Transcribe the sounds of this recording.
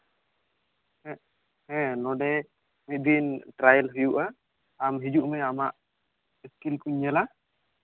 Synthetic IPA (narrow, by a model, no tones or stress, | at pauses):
ɛ | hɛ̃nɔɖɛ | mid̪inʈɾajɛlɦujuʔa | amɦid͡ʒuʔmɛamaʔ | iskilkuɲːɛla